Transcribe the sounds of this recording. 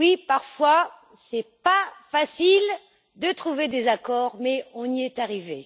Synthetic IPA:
wipaʁfwa | sɛpafasil | d̪ət̪χuved̪ezakɔʁmɛɔ̃niɛt̪aʁive

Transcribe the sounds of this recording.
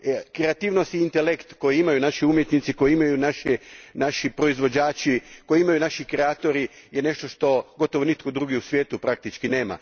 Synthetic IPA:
kɾe̞at̪iːʋno̞st̪iːnt̪elekt̪ko̞jiimajunaʃiumjet̪nit̪siko̞jiimajunaʃinaʃipɾo̞izʋo̞d͡ʑaːt͡ʃiko̞jiimajunaʃikɾeaːt̪o̞ɾi | jene̞ʃt̪o̞ʃt̪o̞ɡo̞t̪o̞ʋonit̪̚ko̞d̪ɾuːɡiusʋjeːt̪upɾak̚t̪it͡ʃkine̞ːma̰

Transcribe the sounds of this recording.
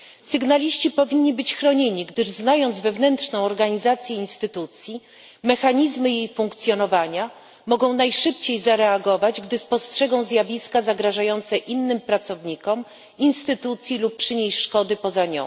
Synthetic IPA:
sɘɡnalʲiɕt͡ɕipɔvʲiɲːibɘt͡ɕxɾɔɲeɲiɡd̪ɘʐznajɔnd̪zvɛvnɛntʂnɔ̃w̃ɔɾɡaɲizat̪sʲjɛinst̪ɘt̪ut̪sʲji | mɛxaɲizmɘjejfuŋkt̪sʲjɔnɔvaɲa | mɔɡɔ̃w̃najʂɘpt͡ɕejzaɾɛaɡɔvad͡ʑɡd̪ɘspɔstʂɛɡɔ̃w̃zjavʲiskazaɡɾaʐajɔnt̪sɛʔinːɘmpɾat̪sɔvɲikɔm | inst̪ɘt̪ut̪sʲjilupːʂɘɲejʂkɔd̪ɘpɔzaɲɔ̰̃w̃

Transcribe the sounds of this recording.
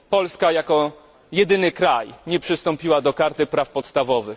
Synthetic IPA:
pɔlskajakɔ | jɛd̪ɘnɘkɾajɲɛpʂɘst̪ɔmpʲiwad̪ɔkaɾt̪ɘpɾafpɔt̪st̪avɔvɘx

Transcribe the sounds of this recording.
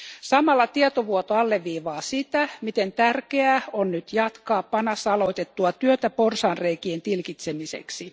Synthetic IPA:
sɑmɑlːɑt̪iet̪oʋuot̪oɑlːeʋːiːʋɑːsit̪æmit̪ent̪ærkeæonnyt̪jɑt̪kɑːppɑnɑsɑloit̪et̪ːuɑt̪yøt̪æporsɑːnreikient̪ilkit̪semisḛksi

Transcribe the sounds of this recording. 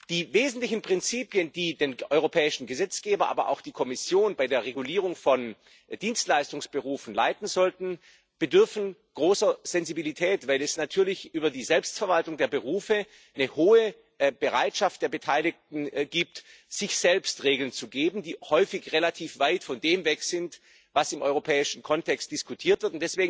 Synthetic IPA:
d̥iːveːzn̩tlɪçn̩pʁ̥ɪnt͡siːpjənd̥iːdeːnʔɔʏʁopʰɛːɪʃn̩ɡəzɛt͡sɡ̥eːbɐʔa̰ːbɐ̰ʔa̰ʊxd̥iːkʰɔmɪsjoːnbaɪdeːɐʁeɡuliːʁ̞ʊŋfɔn | d̥iːnstlaɪstʊŋsb̥əʁuːfn̩la̰ɪtn̩zɔltn̩ | b̥ədʏɐfn̩ɡ̥ʁoːsɐz̥ɛnzibilitʰɛːtv̥aɪlɛsnatʰyːɐlɪçʔyːbɐdiːzɛlpstfɛɐvaltʊŋdeːɐbəʁuːfə | nəhoːə | b̥əʁaɪtʃaft̚d̥eːɐbətʰaɪlɪk̚tn̩ɡiːp̚tz̥ɪçz̥ɛlpstʁeːɡl̩nt͡suɡeːbn̩diːhɔʏfɪçʁelatʰiːfv̥aɪtfɔndeːmvɛkz̥ɪnt | vasɪmʔɔʏʁopʰɛːɪʃn̩kʰɔntʰɛkst̚d̥ɪskutʰiːɐtv̥ɪɐtʊntd̥ɛsv̥eːɡŋ̩

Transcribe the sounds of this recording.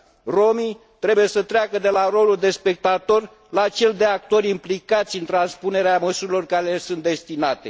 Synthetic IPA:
ro̞mi | t̪ɾe̞buje̞sət̪ɾeakəd̪e̞laro̞luld̪e̞spe̞k̚t̪at̪o̞r | lat͡ʃe̞ld̪e̞ak̚t̪o̞ɾʲimplikat̪sʲɨnt̪ɾanspune̞ɾeaməsuɾilo̞rkaɾelesunt̪̚d̪e̞st̪inat̪e̞

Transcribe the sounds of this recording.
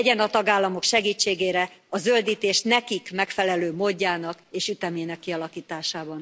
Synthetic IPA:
ɟɛnɒt̪ɒɡaːlːɒmo̞kʃɛɡiːt͡ʃːeːɡeːɾɛɒzøld̪iːt̪eːʃnɛkikmɛkfɛlɛløːmoːɟːaːnɒkeːʃyt̪ɛmeːnɛkːiɒlɒkiːt̪aːʃaːbɒn

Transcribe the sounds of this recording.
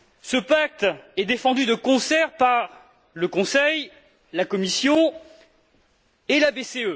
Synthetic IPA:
səpak̚t̪ɛd̪efɑ̃d̪yd̪əkɔ̃sɛʁpaʁ | ləkɔ̃sɛj | lakɔmisjɔ̃ | elabeseø

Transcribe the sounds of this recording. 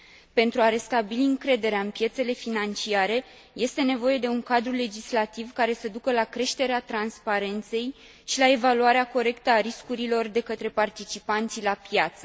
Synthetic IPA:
pe̞nt̪ɾuaɾe̞st̪abiliɨŋkɾe̞d̪e̞ɾeaɨnpje̞t̪se̞le̞finant͡ʃiaɾe̞ | je̞st̪e̞ne̞vo̞je̞d̪e̞uŋkad̪ɾule̞d͡ʒislat̪ivkaɾe̞səd̪ukəlakɾe̞ʃt̪e̞ɾeat̪ɾanspaɾe̞nt̪se̞j | ʃilae̞valuaɾeako̞ɾe̞kt̪əaɾiskuɾilo̞rd̪e̞kət̪ɾe̞part̪it͡ʃipant̪silapjat̪sə

